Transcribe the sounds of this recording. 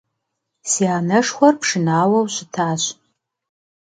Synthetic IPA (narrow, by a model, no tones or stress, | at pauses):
siaːnɐʂxʷɔrpʂɨnaːwɐwɕɪtʰaːɕ